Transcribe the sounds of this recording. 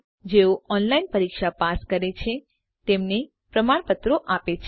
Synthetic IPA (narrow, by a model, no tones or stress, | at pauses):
d͡ʒeoɔnlainpəɾikʃapaskəɾet͡ʃʰe | t̪emne | pɾəmaɳpət̪ɾoʔapet͡ʃʰ